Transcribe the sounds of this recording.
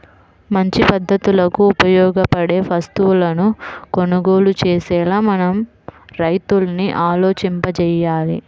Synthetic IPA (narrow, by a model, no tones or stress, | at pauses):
mɐɲt͡ʃipɐd̪ʱːɐt̪ulɐkuːpɐjɔːɡɐpɐɽe̞ːpʰɐst̪uwulɐnukonuɡo̞ːlut͡ʃeːsɛːlaːmɐnɐm | ɾɐjt̪ulɐniʔaːlo̞ːt͡ʃimpɐt͡ʃɛjaːli